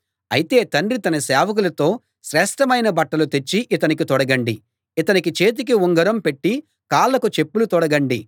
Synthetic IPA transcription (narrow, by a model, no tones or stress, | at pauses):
ɐjit̪e̞ːt̪ɐɳɖrit̪ɐnɐsɛːʋɐk̬ulɐt̪o̞ː | ʃɾɛːʂʈɐmɐjnɐbɐʈːɐlut̪e̞t͡ʃːiʔit̪ɐnik̬it̪ɔɽɐɡɐɳɖiː | t̪ɐnikit͡ʃe̞ːt̪̬ikiuŋɡɐɾɐmpe̞ʈːi | kaːlːɐkut͡ʃe̞pːulut̪ɔɽɐɡɐɳɖi